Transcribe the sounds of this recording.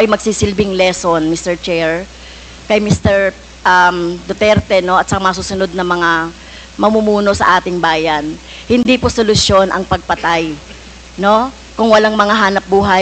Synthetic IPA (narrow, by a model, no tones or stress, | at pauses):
ʔɐjmɐɡ̥̚siːsɪlbɪŋlɛsonmist̪ɛɹt͡ʃɛɹ | kɐjmist̪ɛɹ | ʔɐmd̪ot̪ɛɾt̪ɛno̞ʔɐt̪sɐkamɐɐs̬uːsʊnod̪̚nɐmɐŋa | mɐmumuːno̞sɐ̰ʔaːt̪ɪŋbaːjɐn | hɪnd̪iposolʊsjo̞nʔɐ̰ŋpɐɡ̚pɐt̪aj | no̞ | kʊŋwɐlaŋmɐŋaɦaːnɐp̚buːɦɐ